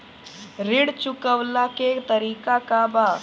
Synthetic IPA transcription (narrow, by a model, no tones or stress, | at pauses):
ɾɪɽt͡ʃʊkəwlaket̪əɾiːkakaba